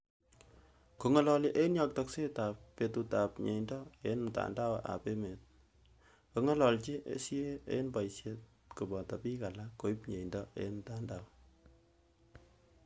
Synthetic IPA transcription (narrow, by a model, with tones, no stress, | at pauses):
ko˨ŋɔ˦lɔli˦ʔe˦enjɑ˨k̚tɔkse˦ta˨pːe˨tu˧ta˨pɲḛ˨indɔ˦e˦nmta̰˨nda˦wʔa̰˨pe˦me˨t̚ | ko˨ŋɔ˦lɔ˨lt͡ʃi˦ʔḛsi˦e˦ḛ˦enpa˨jsjet̚ | ku˨bɔ˨ta˨pi˦ka˨lakːo˨i˦pɲe˨indɔḛ˦nm̩ta˨ndaw